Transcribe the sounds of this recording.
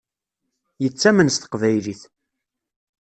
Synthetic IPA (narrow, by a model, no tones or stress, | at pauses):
jət͡sːæmənst̪ə̥qvæjliθ